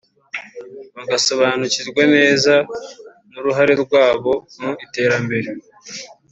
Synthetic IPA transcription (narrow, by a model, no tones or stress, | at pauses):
βaɡaso̞βaːnuciɾɡwene̞ːza | nuɾuɦaɾeɾɡwaːβo̞nuite̞ːɾambe̞ɾe